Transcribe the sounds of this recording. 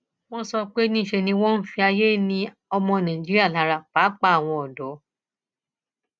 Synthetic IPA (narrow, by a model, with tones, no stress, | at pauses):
w̃ɔ̃˦sɔ˧k͡pe˦nĩ˦˨ʃe˧nĩ˧w̃ɔ̃˦n̩˦fi˧a˧je˦nĩ˧ | ɔ˧mɔ̃˧nã˨d͡ʒi˦ɾi˦a˦˨la˨˦ɾa˨k͡pa˨˦k͡pa˦a˨w̃ɔ̃˧ɔ˨dɔ˨˦